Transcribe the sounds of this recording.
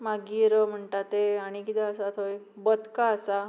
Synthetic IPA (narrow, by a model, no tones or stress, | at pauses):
maɡiːɾəm̤əɳʈat̪eaɽ̃ikit̪ɛ̃əsat̪ɦoj | bət̪kaəsa